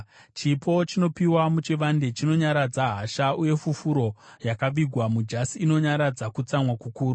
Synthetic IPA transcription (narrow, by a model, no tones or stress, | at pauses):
t͡ʃipʰo̞t͡ʃino̞piwamut͡ʃiʋande̞t͡ʃino̞ɲaɾad͡zaɦaʃauje̞fufuɾo̞jakaʋiɡʱwamud͡ʒasiːno̞ɲaɾad͡zakut͡samwakukuːru